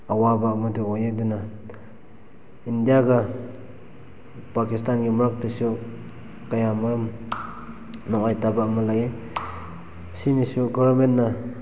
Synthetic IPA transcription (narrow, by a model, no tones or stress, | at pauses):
awabaːmaduojeduna | indijaɡa | pakistanɡimɐɾak̚dɯsu | kajamaɾɯm | nɔŋajtabaːmalaje | sinisuɡɔbaɾmentːa